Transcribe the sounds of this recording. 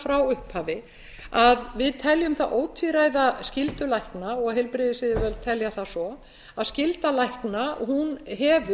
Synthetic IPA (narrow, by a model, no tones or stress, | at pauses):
fɾawʏhphaːvɪ | aðvɪðt̪ʰɛljʏmθaʔoːwt̪ʰviɾaːjðascɪlt̪ʏlajhknaɔɣɦɛjlpɾɪðɪsɪðɪvœlt̪ʰɛljaθasɔ | aðscɪlt̪alajhknaɦunɦɛːvʏ